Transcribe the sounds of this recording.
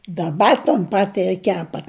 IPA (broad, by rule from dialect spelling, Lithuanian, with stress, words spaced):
dɐˈbɐ toːn ˈpɑːtʲɪ ɪr ˈkʲæːpɐt